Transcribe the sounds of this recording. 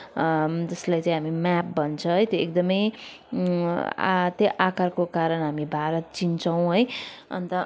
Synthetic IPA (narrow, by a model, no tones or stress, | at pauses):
d͡zʌslajt͡sãĩɦamimap̚bʌnt͡sʰʌɦʌjt̪joek̚d̪ʌmʌj | t̪jʌʔakarkokaɾʌnɦamibʱaɾʌt̪̚t͡sint͡sʰʌw̃ɦojʌ̰nt̪ʌ